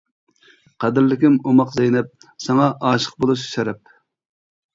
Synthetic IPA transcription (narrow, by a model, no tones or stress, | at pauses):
qʰæd̪ɪɾlɪkʲɪmomɑqzejnɛp̚ | sɑŋɑʔɑːʃə̥q̚bolˠuʃʃɛɾɛp̚